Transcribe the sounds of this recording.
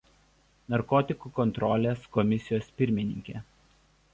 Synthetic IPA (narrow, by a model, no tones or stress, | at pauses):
nɐɾkɔːt̪ʲɪkuːkɔnt̪ɾɔlʲeːskɔmʲɪsʲɪjoːspʲɪɾʲmʲɪnʲɪ̰ŋʲkʲeː